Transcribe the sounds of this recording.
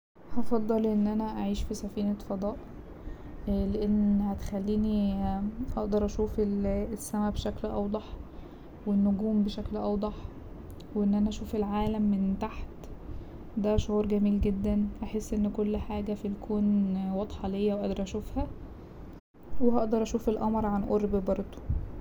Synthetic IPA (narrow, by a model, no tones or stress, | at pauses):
hɑfɑd̪ˤːɑlʔenːʔænæʔaʕiːʃfisæfiːnæfɑd̪ˤɑːʔ | leʔenːhæt̪e̥xælːiːni | ʔɑʔd̪ɑɾˤʔæʃuːfeesːæmæbeʃæklʔɑ̰wd̪ˤɑħ | wenːoɡuːmbeʃæklʔɑwd̪ˤɑħ | wʔenːʔænæʔæʃuːfelʕaːlæmːent̪aħt̪ | d̪æʃohuːɾˤɡæmiːlɡed̪ːænʔæħesːʔenːkolːħaːɡæfilkʰoːnwɑd̪ˤħɑlejːæwʔɑd̪ɑɾˤʔæʃuːfhæ | wehɑʔd̪ɑɾˤʔæʃuːfelʔɑmɑɾˤʕanʔoɾbbɑɾˤd̪ˤo̥